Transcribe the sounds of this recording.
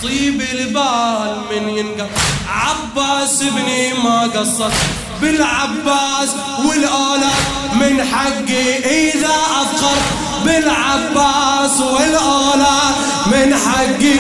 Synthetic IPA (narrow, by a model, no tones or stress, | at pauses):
t̪ˤiːbɪlbaːlmɪnjɪnɡaʕabːasɪbnimaɡɑsˤːɑt̪ˤ | bɪlʕabːaːs | wɪlʔaːla | mɪnħaɡːiʔɪðaʔɑqɑɾˤ | bɪlʕabːaːswɪlʔaːla | mɪnħaɡːi